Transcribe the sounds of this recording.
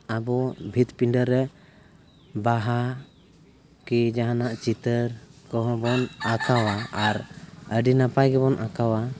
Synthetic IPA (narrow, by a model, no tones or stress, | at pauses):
abɔbʱit̪piɳɖəɾːɛ | baɦa | kid͡ʒaɦanaʔt͡ʃit̪əɾkɔɦɔ̃bɔnakawaaɾəɖinapajɡɛbɔnʔakawa